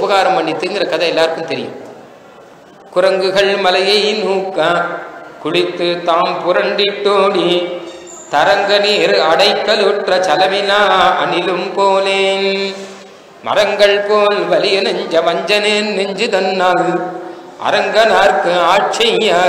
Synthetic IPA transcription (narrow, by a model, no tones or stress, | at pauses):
ʊpɐɣaːɾɐmʋɐɳɖit̪ːɯːŋɡɪɾɐkɐðɐɛlːaːɾɯkːɯmt̪ɛɾɪjɯ̰m | kʊɾɐŋɡɯɣɐɭmɐlɐjɐjnuːkːakʊɭɪt̪ːɯt̪aːmpʊɾɐɳɖɪʈːoːɽi | t̪ɐɾɐŋɡɐniɐɽɐɪkːɐlɔʈrɐt͡ʃɐlɐmɪlaːɐnɪlɯmpoːleːn | mɐ̰ɾɐŋɡɐɭpoːlʋɐlɪjɐnɐɲd͡ʒɐʋɐɲd͡ʒɐneːnɛɲd͡ʒɯðɐnːaːl | ʔɐ̰ɾɐŋɡɐnaːɾkɯaːt͡ʃːɐjjaː